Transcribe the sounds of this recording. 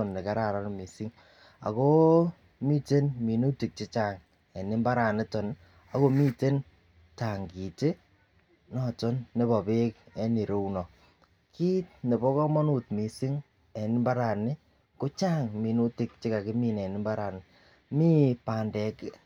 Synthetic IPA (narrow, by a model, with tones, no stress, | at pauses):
ɔ˨nːe˨ka˨˦ɾa˨ɾa˦n˦mi˨si˦ŋ | a̰˨ko˦ | mi˦te˦nmi˨nu˦ti˨k̚t͡ʃi˦t͡ʃa˦ŋ | ɛ˨nɪ˦mba˦ɾa˨nɪ˦tɔ˨n | a˨ko˦mi˦te˦n | ta˨ŋɡi˨te˦ | nɔ˨tɔ˦nːe˦bɔ˨be˦k̚ɛ˦ni˨ɾo˦u˦nɔ˨ | ki˦t̚ne˨bɔ˦kɔ˦mɔ˦nu˦˨t̚mi˨si˦ŋ | ɛ˨nɪ˦mba˦ɾa˨nɪ˦ | ko˦t͡ʃa˦ŋmi˨nu˦ti˨k̚t͡ʃɪ˦ka˨kɪ˦mi˦˨nɛ˨nɪ˦mba˦ɾa˨nɪ˨ | mi˦pa˨ndɛ˨k